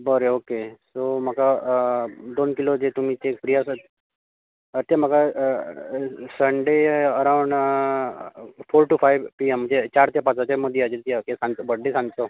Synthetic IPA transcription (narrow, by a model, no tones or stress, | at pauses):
bəɾeokesom̤aka | d̪onkilod͡ʑet̪um̤it̪ekpɾijasət̪ | ət̪jam̤aka | səɳɖeəɾaʋɳ | foɾʈufajʋpiemːəd͡ʑet͡ɕaɾt̪japat͡sat͡ɕaməd̪ʱːiad͡ʑet̪jakesãnt͡sbəɽːesãnt͡so